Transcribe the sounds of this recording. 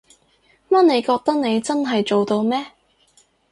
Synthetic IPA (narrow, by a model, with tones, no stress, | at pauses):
mɐ˥t̚ne˨˧jkɔː˧k̚t̪ɐ˥k̚ne˨˧jt͡sɐ˥nɦɐ˨jt͡so˨wt̪o˧wmɛː˥